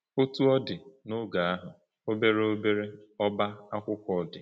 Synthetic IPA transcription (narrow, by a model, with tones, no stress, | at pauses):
o˦tu˦ɔ˦dɪ˨no˦ɡa˨a˦ɦʊ˨ | o˦be˦ɾe˦o˦be˦ɾe˦ɔ˦ba˦a˦kʷʊ˦kɔ˦˨dɪ̰˨